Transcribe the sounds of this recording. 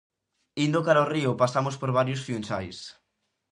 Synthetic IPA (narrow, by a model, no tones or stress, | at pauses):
ind̪okaɾaoriʊpasamospoɾβaɾjosfjunsajs